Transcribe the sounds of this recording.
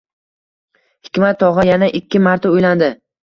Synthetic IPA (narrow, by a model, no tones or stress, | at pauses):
hɪkʲmat̪ʰːɒʁɨjanaʔɪkʲʰːɪmaɾt̪ʰaʊjland̪ɪ